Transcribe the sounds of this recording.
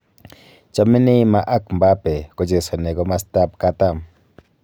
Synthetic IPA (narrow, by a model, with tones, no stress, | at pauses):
t͡ʃa˧˨mi˦ni˦ma˧ʔa˦kmba˦pe˨ko˨d͡ʒe˨so˨ne˨ko˦ma˦st̪a˦p̚ka˦t̪a˦˨m